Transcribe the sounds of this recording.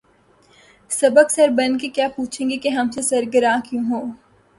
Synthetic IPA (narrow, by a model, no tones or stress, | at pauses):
sɐbəksɐɾbɐnkekjaːpuːt͡ʃʰẽːŋɡekeɦɐmsesɐɾɡəɾãːkjũːɦoː